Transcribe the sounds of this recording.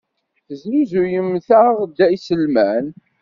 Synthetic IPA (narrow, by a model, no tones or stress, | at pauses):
θəzuzujəmːθaʁd̪æjsəlmæn